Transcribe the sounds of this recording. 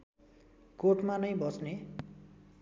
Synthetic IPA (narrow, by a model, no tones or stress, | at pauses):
koʈmanʌjbʌsne